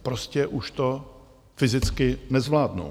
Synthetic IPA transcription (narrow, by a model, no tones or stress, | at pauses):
pɾoscɛʔuʃt̪o̞ | fɪzɪt͡skɪnɛzvlaːdnṵ